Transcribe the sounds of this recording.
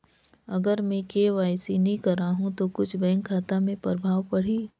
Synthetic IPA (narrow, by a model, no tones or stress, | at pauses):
ɐɡəɾmɛ̃keʋaːjsinɐĩkɐɾaːɦũt̪okʊt͡ʃʰbɛ̃ːŋkʰːaːt̪amẽpɾɾəbʱaːʋpɐɽ̤iː